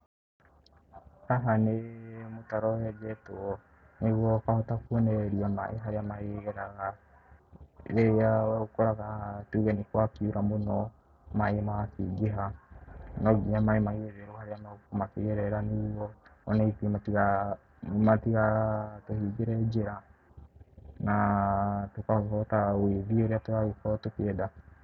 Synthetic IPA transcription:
ɾaɦanemotaɾɔhɛd͡ʒɛtoɔ | neɣwɔkahotakuɛnɛɾiama̰ʔeɦaɾeamaeɣɛɾaɣa | ɛawɛokoɾaɣatuɣɛnikwakiuɾamonɔ | maemakiɡeɦa | nɔɡiɲamaemaiɣeðeɾohaɾeamaokomakeɣɛɾɛɾaniwɔɔnɛitimatiɣa | matiɣatohiɡeɾɛd͡ʒeɾa | na | tokakɔtaweðieɾeatoaɣikɔtokeɛda

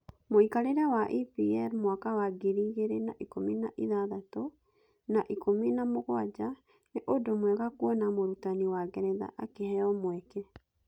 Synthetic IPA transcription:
moikaɾeɾawaʔipiɛɾmwakawaɡiɾiɣeɾenaʔikominaʔiðaðato | naʔikominamoɣwad͡ʑa | neʔodomwɛɣakuɔnamoɾutaniwaɡɛɾɛða̰ʔakehɛɔmwɛkɛ

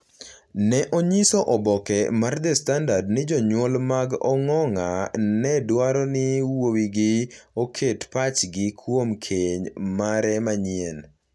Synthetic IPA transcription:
nɛʔoɲisoʔɔbɔkɛmard̪estandardnɪd͡ʒɔɲwɔlmaɡɔ̰ŋɔŋanɛdwaɾɔnɪwowiɡɪokʰetpat͡ʃɡɪkʰwomkʰeɲmaɾɛmaɲien

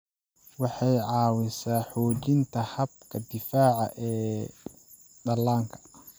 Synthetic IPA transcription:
wɑħɑjʕɑːwɪsaːħɔːt͡ʃɪnt̪ʰɐhɐb̚kʰɐd̪ɪfaːʕɑ̰ʔɛː | d̪ɐlːaːŋkʰɐ̥

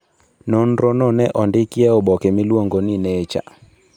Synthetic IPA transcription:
nɔn̩ɾɔnɔnɛʔɔndɪkiɛɔbɔkɛmɪlwoŋɡonɪnɛt͡ʃa̰

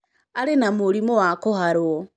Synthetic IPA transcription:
aɾenamoɾimowakohaɾwo

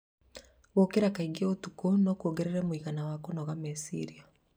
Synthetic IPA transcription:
wokeɾakaiɡieotukonɔkuoɡeɾeɾɛmwiɣanawakonɔɣamesḭɾia

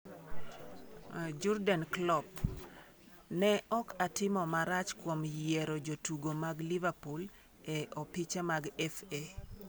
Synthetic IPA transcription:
d͡ʒɔɾdanklɔp | nɛʔɔkʰatɪmɔmaɾat͡ʃkwomjɛɾod͡ʒotuɡomaɡlɪvapul | ɛʔɔpit͡ʃamaɡɛfe

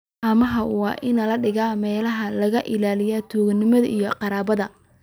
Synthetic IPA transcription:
ʔɐmɐɦɐwɑ̰ːʔɪnɐlɐɖɪɣaːmɛːlɐɦɐlɐɣɐʔɪlaːlɪjaːt̪ʰuːɡnɪmɐðɐʔijɔqɑɾaːβɐðɐ

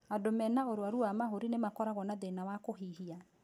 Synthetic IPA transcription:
adomɛnaoɾwaɾuamaɦoɾinemakɔɾaɣɔnaðenawakoɦiɦia

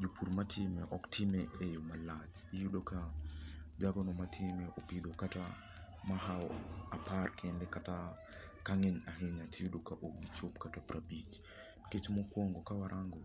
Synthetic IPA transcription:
d͡ʒupuɾmatʰɪmɛʔɔktʰimɛʔejomalat͡ʃijudoka | d͡ʒaɡɔnɔmatʰɪmɛʔopidokata | maɦaɔaparkʰɛndɛkata | kaŋɛɲaɦeɲatʰijudokaʔokɡit͡ʃopkatapɾʔabit͡ʃ | ket͡ʃmɔkwɔŋɡɔkawaɾʔaŋɡɔ

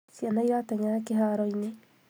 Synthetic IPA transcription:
sianaiɾatɛɲaɾakeɦaːɾɔine

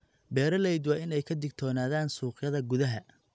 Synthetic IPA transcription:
bɛːɾɐlɛjd̪wɑːɪnɛjkʰɐd̪ɪɡ̚t̪ʰɔːnaːðaːnsuːqjɐðɐɡʊðɐɦɐ

